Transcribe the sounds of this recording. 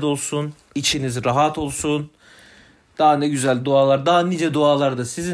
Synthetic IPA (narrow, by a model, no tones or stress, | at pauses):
d̪o̞lˠsun | it͡ʃʰinizɾaɦat̪ʰo̞lˠsun | d̪̥aɦanɛɟyzælʲd̪oaːlˠaɾd̪aɦaniːd͡ʒɛd̪oaːlˠaɾd̪asizi